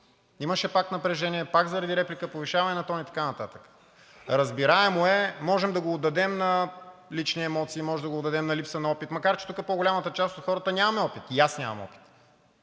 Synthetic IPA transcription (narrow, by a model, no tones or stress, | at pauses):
iməʃɛpak̚t̪nɐpɾɛʒɛniɛpakzɐɾɐd̪iɾɛplikəpoviʃavɐnɛnɐt̪ɔnit̪ɐ̥kanɐt̪at̪ə̥kə̥ | ɾəzbiɾaɛmoɛmɔʒɛmd̪ɐɡoːd̪ːɐd̪ɛmnɐlit͡ʃniɛmɔt̪siːmɔʒɛmd̪ɐɡoːd̪ːɐd̪ɛmnɐlipsənɐɔpit̪mɐkaɾt͡ʃɛ̥t̪ukəpoɡolʲamət̪ət͡ʃast̪ot̪xɔɾət̪ənʲamɐmɛɔpit̪iasnʲa̰mɐ̰mɔ̰pi̥t̪